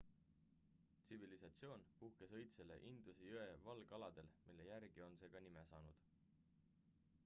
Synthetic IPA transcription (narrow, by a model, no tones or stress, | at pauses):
t̪sivilisɑt̪sio̞ːnpuhke̞sɤ̞jt̪se̞le̞̰ʔind̪̥usejøevɑlɡ̥ɑlɑd̪̥e̞lmilːe̞jæɾɡ̥io̞nse̞ːɡ̥ɑnimesɑ̰ːnud̪̥